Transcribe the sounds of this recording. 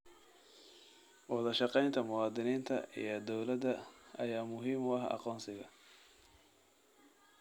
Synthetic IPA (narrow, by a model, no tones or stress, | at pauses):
wɑðɐʃɑqɛjnt̪ʰɐmʊwɑːd̪ɪniːnt̪ʰɐ̰ḭjɔd̪ɔwlɐd̪ɐʔɐjaːmʊɦiːmʊɐɦɑ̰qɔːnsɪɣɐ